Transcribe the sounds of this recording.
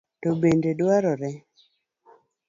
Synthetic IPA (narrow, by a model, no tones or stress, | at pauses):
tobendedwaɾɔɾɛ